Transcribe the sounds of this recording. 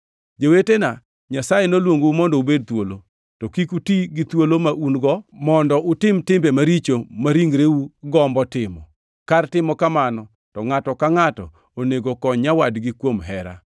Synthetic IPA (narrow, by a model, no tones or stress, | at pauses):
d͡ʒowetena | ɲasajenolwoŋɡoumɔndɔubed̚t̪wolo | tɔkikutiɡɪt̪wolomaʔunɡɔmɔndɔʔʊtɪmtɪmbemaɾit͡ʃomaɾiŋɡɾewuɡɔmbɔtɪmɔ̰ | kartɪmɔkamanɔ | tɔŋatɔkaŋatɔ̰ | oneɡokɔɲawadɡɪkwomɦɛɾa̰